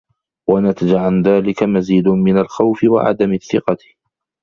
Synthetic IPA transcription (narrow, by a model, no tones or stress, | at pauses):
wanat̪ad͡ʒaʕanðaːlɪkamaziːd̪ʊmɪnalxawfɪwa̰ʕa̰d̪amaθːɪqɑ